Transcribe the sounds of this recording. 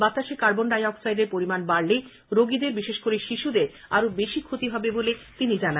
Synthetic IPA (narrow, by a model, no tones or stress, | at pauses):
bat̪ːaʃekaɾbonɖajɔksajdeɾpoɾimanbaɾle | ɾoɡid̪eɾbiʃeʃkoɾeʃiʃud̪eɾaɾobeʃikʰot̪iɦɔbebolet̪inid͡ʑana